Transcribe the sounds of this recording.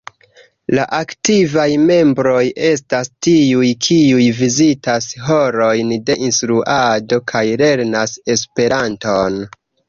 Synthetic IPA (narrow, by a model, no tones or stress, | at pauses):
laʔaktivajme̞mbɾo̞je̞stastiujkʰiujvizitasɦo̞ɾo̞jnde̞ʔinstɾuʔado̞kʰajle̞ɾnase̞spe̞ɾanto̞n